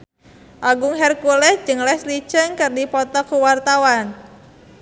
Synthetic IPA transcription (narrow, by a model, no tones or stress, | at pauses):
ʔaɡʊŋɦɛrkulɛhd͡ʒɨŋlɛsli̥t͡ʃəŋkɨrdipɔt̪ɔkuwart̪awan